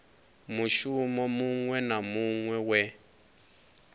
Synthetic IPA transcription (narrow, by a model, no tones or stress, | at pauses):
muʃumɔmuŋwɛnamuŋwɛwɛ